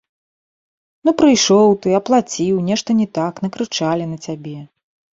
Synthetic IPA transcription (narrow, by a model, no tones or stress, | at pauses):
nupɾɨjʂɔwt̪ɨɐplˠat͡sʲiwnʲɛʂt̪ɐnʲɛt̪akn̪ɐkɾɨt͡ʂalʲinɐt͡sʲabʲɛ